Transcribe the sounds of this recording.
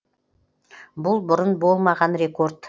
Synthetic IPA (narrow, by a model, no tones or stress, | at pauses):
bʊlˠbʊɾʊnbo̞lˠmɑʁɑnɾʲe̞ko̞rt̪